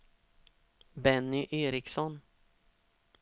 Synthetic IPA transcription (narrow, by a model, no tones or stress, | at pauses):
bɛnːʏʔeːɾɪksɔn